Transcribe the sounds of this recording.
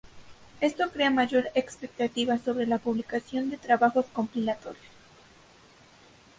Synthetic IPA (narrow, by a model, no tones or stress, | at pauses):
e̞st̪o̞kɾe̞amaʝo̞ɾekspe̞k̚t̪at̪iβaso̞βɾe̞lapuβlikasjo̞nd̪e̞t̪ɾaβaxo̞sko̞mpilat̪o̞̰ɾjo̞s